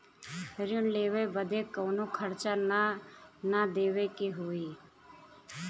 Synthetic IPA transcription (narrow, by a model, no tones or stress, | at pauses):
ɾjʊnleːʋebəd̪ʱekoːnokʰəɾt͡ʃan | nad̪eːʋekeɦoːiː